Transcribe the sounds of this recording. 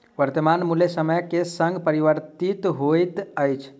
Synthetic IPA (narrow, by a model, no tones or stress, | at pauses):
ʋəɾt̪əmanmulesəməjkesə̃ŋɡpəɾiʋəɾt̪it̪ɦojt̪əjt͡ʃʰ